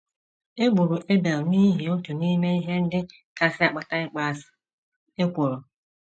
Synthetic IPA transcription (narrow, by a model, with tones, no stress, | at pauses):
e˦ɡ͡bu˨ɾu˨ʔe˦be˨lni˦ɦi˨o˦tʊ˨ni˦me˦i˦ɦe˦n̩˦dɪ˦ | ka˨sɪ˦a˨k͡pa˦ta˦ɪ˦k͡pa˦˨sɪ̥˨ | e˦kʷo˨ɾʊ˨